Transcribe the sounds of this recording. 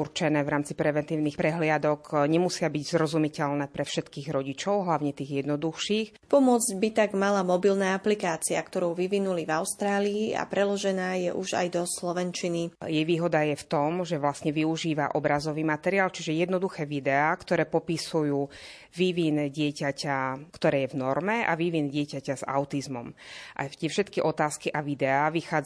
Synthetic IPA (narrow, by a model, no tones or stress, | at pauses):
uɾt͡ʃɛnɛːvɾaːmt͡sipɾɛʋɛnt̪iːʊnixpɾɛɦlɪad̪ɔkɲɛmusɪabiɟzɾɔzumicɛʎnɛːpɾɛfʃɛt̪kiːɣɾɔɟit͡ʃɔʊɦlaʊɲɛt̪iːɣjɛd̪nɔd̪uxʃiːx | pɔmʊɔd͡zɟbit̪aɡmalamɔbilnaːaplikaːt͡siakt̪ɔɾuʊʋiʋinulivaʊst̪ɾaːliːa̰pɾɛlɔʒɛnaːjɛʔuʒa̰jd̪ɔslɔʋɛnt͡ʃinijɛʋiːɦɔd̪ajɛft̪ɔmʒɛʋlasɲɛʋiuʒiːʋaʔɔbɾazɔʋiːmat̪ɛɾiaːlt͡ʃiʒɛjɛd̪nɔd̪uxɛːʋid̪ɛaːkt̪ɔɾɛːpɔpisujuː | ʋiʋinɟɪɛcacakt̪ɔɾɛːjɛvnɔɾmɛa̰ʋiʋinɟɪɛcacaza̰ʊt̪izmɔmʔa̰t̪ɪɛfʃɛt̪kiʔɔt̪aːskiʔaʋid̪ɛaːʋixaːd͡z